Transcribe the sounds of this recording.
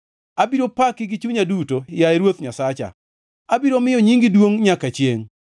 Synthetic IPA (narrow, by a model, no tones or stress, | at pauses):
abiɾopakɪɡɪt͡ʃuɲadutojaeɾwot̪ɲasat͡ʃa̰ | abiɾomɪjɔɲiŋɡɪdwoŋɲakat͡ʃjeŋ